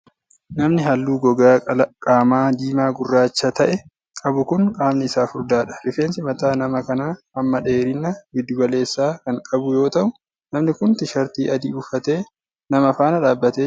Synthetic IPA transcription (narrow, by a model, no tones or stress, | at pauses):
nɐmnɪɦɐlːuːɡɔɡaːkʼaːmaːd̪iːmaːɡʊrːaːt͡ʃːɐt̪ɐʔɛ | kʼɐbʊkʊnkʼaːmnɪɪsaːfʊɾd̪aːᶑɐ̥ɾɪfe̞ːnsɪmɐt̪aːnɐmɐkɐnaː | ɐmːɐᶑe̞ːɾɪnːɐbɪd̪ːʊɡɐle̞ːsːaːkɐŋkʼɐbʊjo̞ːt̪ɐʔʊ | nɐmnɪkʊnt̪ɪʃɐɾt̪iːʔɐd̪iːʊfɐt̪e̞ː | nɐmɐfaːnɐᶑaːbːɐt̪eː